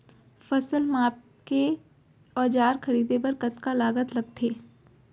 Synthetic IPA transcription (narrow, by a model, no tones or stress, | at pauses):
fɐsəlmaːp̚ | ke | ɔːd͡ʒaːɾxɐɾiːd̪ep̬ɐɾkɐt̪kalaːɡət̪lɐɡ̚t̪ʰeː